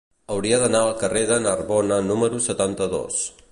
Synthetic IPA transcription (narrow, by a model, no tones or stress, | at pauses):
əwɾiəðənaəlˠkəreðənəɾβɔnənuməɾusət̪ant̪əðo̰s